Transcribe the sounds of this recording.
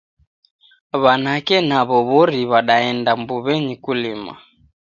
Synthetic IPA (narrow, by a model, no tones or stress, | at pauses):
βanakɛnaβɔβɔɾiβaɗaɛndambuβɛɲikulima̰